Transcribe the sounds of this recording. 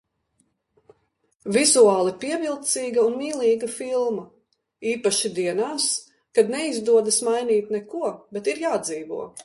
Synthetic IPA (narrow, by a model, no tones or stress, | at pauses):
vʲizuaːlˠipiɛvʲilˠt̪siːɡɐunmiːlˠiːɡɐfilˠmɐ | iːpaʃid̪iɛnaːs | kad̪nɛizd̪uɔd̪asmajniːt̪nɛkuɔbɛt̪iɾjaːd̪ziːvṵɔ